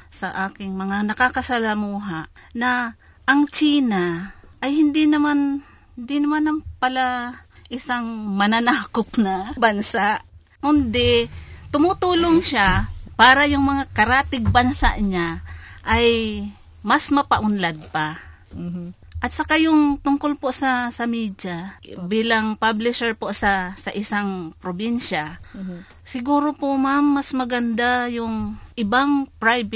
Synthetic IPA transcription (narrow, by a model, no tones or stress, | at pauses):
sɐʔaːkɪŋmɐŋanɐkakɐsɐlamuːɦaʔnɐ | ʔɐŋt͡ʃiːnaʔɐjhɪnd̪inɐman | d̪ɪnɐmanɐŋpɐlaʔɪsaŋmɐnanaːkop̚nɐbansaʔ | kʊnd̪ɛt̪ʊmʊt̪uːloŋʃapaːɾɐjʊŋmɐŋakɐɾaːt̪ɪɡ̚bɐnsa̰ʔɲaʔaj | masmɐpɐʔʊnlad̪̚pa | ʔɐt̪̚sɐkajʊŋt̪ʊŋkolpoʔsɐsɐmid͡ʒabiːlaŋpablɪʃɛɹpoʔsɐsɐʔɪsaŋpɾobɪnʃa | sɪɡuːɾopoʔmamːɐsmɐɡand̪ajʊŋʔɪbaŋpɹajbɪ